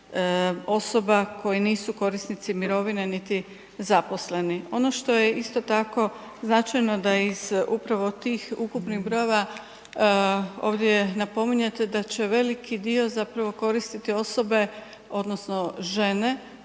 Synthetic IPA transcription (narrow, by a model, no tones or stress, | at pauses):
o̞so̞bakʰo̞jiniːsuko̞ɾist̪nit̪simiɾo̞ʋinenit̪i | zapo̞sle̞nio̞no̞ʃt̪o̞jeist̪o̞t̪ako̞ | znat͡ʃajno̞d̪aizupɾaʋo̞t̪iːxukupnixbɾo̞jeʋa | o̞̰ːʋd̪jenapo̞miɲet̪ed̪at͡ɕe̞ʋe̞likid̪io̞zapɾaʋo̞ko̞ɾist̪it̪io̞so̞be̞ | o̞d̪nosno̞ʒe̞ne̞